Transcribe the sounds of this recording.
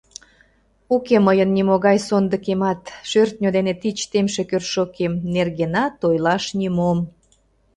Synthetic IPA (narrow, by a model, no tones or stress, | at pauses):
ukeməjənːimoɣɑjsond̪əkemɑt̪ʃørt̪̚nʲod̪enet̪it͡ɕt̪emʃekørʃokemnerɣenɑt̪ojlɑʃnʲimom